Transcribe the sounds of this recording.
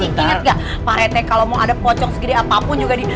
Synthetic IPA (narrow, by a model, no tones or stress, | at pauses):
ət̪iŋaɡaʔ | paɾɛt̪ɛkalomawadapɔt͡ʃɔk̚səɡidiapapʊnd͡ʒuɡadi